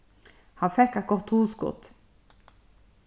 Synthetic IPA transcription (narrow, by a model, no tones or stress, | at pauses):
hɑnfɛkːæt̪̚ɡɔʁt̪huːskʊ̰t̪